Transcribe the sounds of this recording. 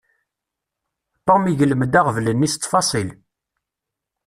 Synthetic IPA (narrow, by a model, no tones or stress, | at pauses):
pːɑmiʝələməd̪aʁəvlənːist̪ˤːfɑsˤil